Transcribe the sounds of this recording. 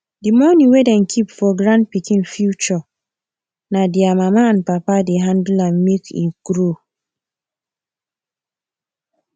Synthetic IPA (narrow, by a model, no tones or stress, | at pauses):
dimɔnĩwedɛnkʰipfɔɡɾãnpikĩnfjut͡ʃɔ | nadiamamaãnpapadeɦãndulãnmekḭɡ̥ɾo